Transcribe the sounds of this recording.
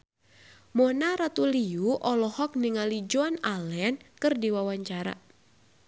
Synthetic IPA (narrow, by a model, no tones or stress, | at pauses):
mɔnaɾat̪uliuʔɔlɔhɔk̚niŋalid͡ʒɔnalɛnkɨrdiwawaɲt͡ʃaɾa̰